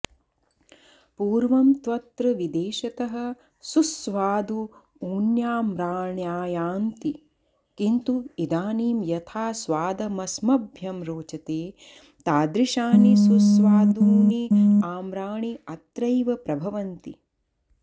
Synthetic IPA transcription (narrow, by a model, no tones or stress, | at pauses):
puːɾʋɐmt̪ʋɐt̪ɾɐʋid̪eːʃɐt̪ɐɦɐ̆ | susʋaːd̪u | uːnjaːmɾaːɳjaːjaːnt̪i | kint̪uid̪aːniːmjɐt̪ʰaːsʋaːd̪ɐmɐsmɐbʱjɐmɾoːt͡ʃɐt̪eː | t̪aːd̪ɾiʃaːnisusʋaːd̪uːniaːmɾaːɳiɐt̪ɾɐjʋɐpɾɐbʱɐʋɐnt̪i